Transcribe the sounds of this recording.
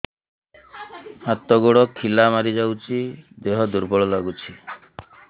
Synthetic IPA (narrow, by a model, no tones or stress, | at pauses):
hat̪ɔɡoɽɔkʰilamaɾid͡ʒawt͡ʃʰid̪eɦɔd̪uɾbɔɭɔlaɡut͡ʃʰi